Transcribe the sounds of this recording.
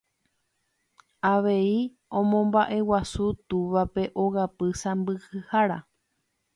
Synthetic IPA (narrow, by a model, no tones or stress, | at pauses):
aʋe̞i | õ̞mõ̞mbaʔe̞wasut̪uʋape̞ʔo̞ɣapɨsãmbɨhɨhaɾa